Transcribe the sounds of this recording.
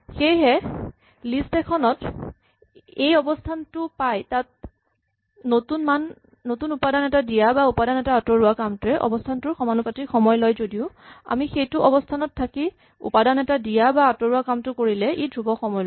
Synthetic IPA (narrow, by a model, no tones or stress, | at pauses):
xejɦɛ | listɛkʰɔnɔt | ejɔbɔstʰantʊpajtat̚ | notunmanː | otunupadanɛtadijabaupadanɛtaːtɔɹʊakamtʊɛʔɔ̰bɔstʰantʊɹxɔmanupatixɔmɔjlɔjzodiʊ | a̰mixejtʊʔɔbɔstʰanɔtʰːaki | ṵpadanɛtadijabaːtɔɹuakamtʊkoɹilɛʔedʱɹubɔxɔmɔjl